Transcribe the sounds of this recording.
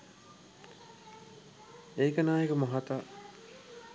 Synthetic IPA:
eːkənaːjekəmaɦat̪a

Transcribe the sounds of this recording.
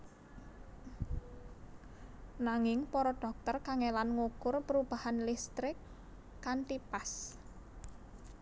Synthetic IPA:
naŋɪŋpɔɾɔɖ̥ɔ̤k̚t̪ərkaŋelanŋukʊrpəɾub̥a̤hanlist̪ɾɪkː | ant̪ipas

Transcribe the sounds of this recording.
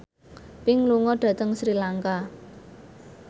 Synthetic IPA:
pɪŋluŋɔɖ̥ä̤t̪əŋsɾilaŋka

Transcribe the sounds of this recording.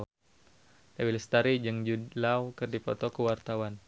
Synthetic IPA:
lawilist̪aɾid͡ʒɨŋd͡ʒulawkɨrdipɔ̰t̪ɔkəwart̪awan

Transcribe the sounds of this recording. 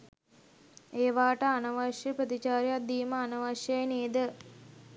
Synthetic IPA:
eːʋaːʈəanɐʋaʃjəpɾət̪it͡ʃaːɾjat̪̚d̪iːməanɐʋaʃjejeneːd̪ə

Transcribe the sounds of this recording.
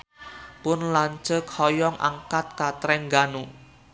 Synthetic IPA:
pʊnlaɲt͡ʃəkʰhɔjɔŋʔa̰ŋkat̪̚kat̪ɾɛŋɡanu

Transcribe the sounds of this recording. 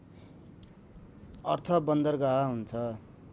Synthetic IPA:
ʌrt̪ʰʌbʌnd̪ʌrɡaɦaɦunt͡sʰʌ

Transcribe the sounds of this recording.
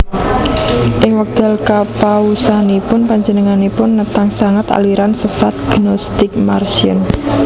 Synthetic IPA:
ʔɪŋwək̚d̪̥əlkapawusanipʊnpaɲd͡ʒənəŋanipʊnːət̪aŋsaŋat̪a̰liɾansəsat̪̚ɡ̥inɔst̪ɪk̚marsiʊ̰n

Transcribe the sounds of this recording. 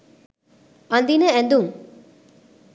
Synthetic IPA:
ɐnd̪inəɛnd̪uŋ

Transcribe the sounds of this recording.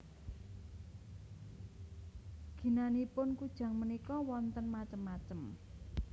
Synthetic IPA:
ɡ̥i̤nanipʊnkud̥ʒ̥ä̤ŋmənikɔwɔnt̪ənmat͡ʃəmːat͡ʃəm

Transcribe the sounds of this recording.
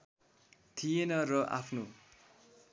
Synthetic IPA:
t̪ʰijenʌrʌʔa̰pʰno

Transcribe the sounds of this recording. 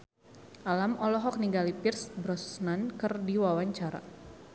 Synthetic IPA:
ʔalamɔlɔɦɔk̚niŋɡalipirsbɾɔsnankɨrdiwawaɲt͡ʃaɾa̰

